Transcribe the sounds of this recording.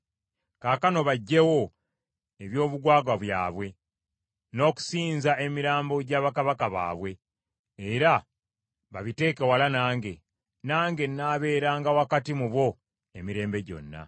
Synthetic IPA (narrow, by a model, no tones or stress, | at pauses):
kaːkano̞βaɟːe̞wo̞ | e̞βjo̞ːβuɡwaːɡaβwja̰ːβwe̞ | no̞ːku̥siːnzaʔe̞miɾaːmbo̞ɟaːβakaβakaβa̰ːβwe̞ː | ɾa | βaβite̞ːkewalanaːŋɡe̞ | naːŋɡe̞naːβe̞ːɾaːŋɡawakatimuβwo̞ | e̞miɾe̞ːmbe̞ɟo̞̰nːa̰